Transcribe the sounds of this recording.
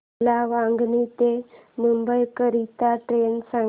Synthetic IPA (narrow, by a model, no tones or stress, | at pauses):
laʋaŋɡnit̪emumbəjkəɾit̪aʈɾensã